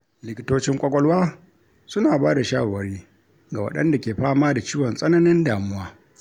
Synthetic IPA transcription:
lɪ˨kʲɪ˦toː˦t͡ʃɪ˦ŋkʷʼɔ˦kʷʼɔ˦lwaː˦ | sʊ˦naː˨baː˦da˨ʃaː˦wɐ˨ɾiː˦ | ɡa˨wɐ̰˦ɗɐ̰˦nda˨kʲeː˨ɸaː˦maː˦da˨t͡ʃiː˦wɔ˨nsʼɐ˦nɐ˦nɪ˦ndaː˨mʊ˦waː˦

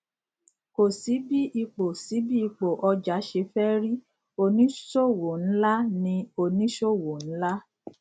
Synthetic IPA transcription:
ko˨si˨˦bi˦ʔi˧k͡po˨si˨˦bi˦i˧k͡po˨ʔɔ˧d͡ʒa˨˦ʃe˧fɛ˦ɾi˦ | o˧nĩ˦ʃo˦˨wo˨n̩˨˦la˦nĩ˧o˧nĩ˦ʃo˦˨wo˨n̩˨˦la˦

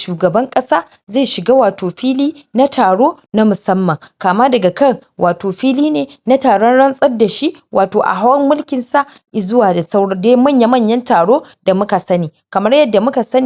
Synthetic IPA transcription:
ʃuː˨ɡɐ˨bɐ˦ŋkʼɐ˦saː˦ | zeː˦˨ʃɪ˨ɡaː˦waː˨toː˨ɸiː˦liː˦na˦tʰaː˨ɽoː˦ | na˦mʊ˨sɐ˦mːɐ˨ŋkaː˨maː˦dɐ˨ɡa˨kɐ˦˨r | wʔaː˨toː˨ɸiː˦liː˦neː˨na˦taː˨ɽɔ˦nɽɐ˦nsʼɐ˦rda˨ʃi˦ʔ | wʔaː˨toː˨ʔa̰˨ɦa˦wɐ˦mːʊ˦lkʲɪ˨nsa˦ʔ | ʔzʊ˦waː˨da˨sa˦wɽɐ˦deː˦jmɐ˦˨ɲja˦mɐ˦˨ɲjɐ˦ntaː˨ɽoː˦ | d̥a˨mʊ˦ka˨sɐ˦niː˨kɐ˨mɐ˦rjɐ˦dːa˨mʊ˦ka˨sɐ˦ni˨

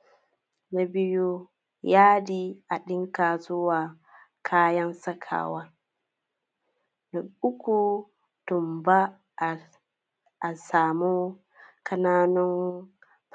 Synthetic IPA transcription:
na˨bɪ˦ju˦ | jaː˦diː˦ʔa˨ɗɪ˦ŋkaː˨zʊ˦waː˨ | kʰaː˦jɐ˦nsɐ˦kʰa̰ː˨waː˦ | na˨ʊ˦kʷu˨ | tʊ˨mba˦˨ | ʔa˨saː˨mu˦ | kɐ˦naː˦nɔ˦n

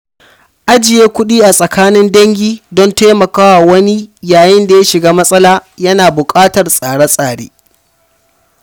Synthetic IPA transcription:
ʔa˦d͡ʒɪ˨jeː˦kʷʊ˦ɗiː˦ʔa˨sʼɐ˨kʰaː˦nɪ˦ndɐ˦ŋɡʲiː˦dɔ˦nta˦mɐ˨kaː˦wa˨wɐ˦ni˦jaː˨jɪ˦nda˨ja˦ʃɪ˨ɡaː˦mɐ˦sʼɐ˦laː˦jɐ˦naː˨bʊ˨kʼaː˦tɐ˨rsʼaː˨ɽa˦sʼaː˨ɽḛː˦

